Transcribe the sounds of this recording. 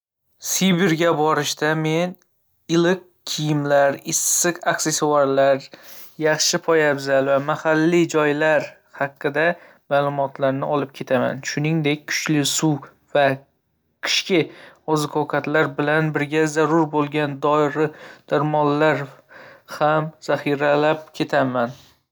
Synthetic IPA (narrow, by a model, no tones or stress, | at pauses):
sibɪɾɡʲabɒɾɪʃt̪ame̞n | ɪlɪq̚kʲʰɪjɪmlaɾɪsːɨqaksesowaɾlaɾ | jɑχʃɪpʰɒjabzalvamahalːid͡ʒɒjlaɾ | hɑqʰːɨd̪a | maːlˠʊmɒt̪ʰlaɾnɪɒlɪp̚kʲʰe̞t̪ʰama̰nʃʊnɪŋd̪ekʲkʰʊ̥t͡ʃlɪsu | va | kʰɪ̥ʃkʲɪɒzɪkʰɒwkʰat̪laɾbɪlanbɪɾɡʲazaɾʊɾbolˠɡʲand̪ɒɪɾɪd̪̥aɾmɒlːaɾ | hamz̥aχiɾalapkʲʰe̞t̪ʰaman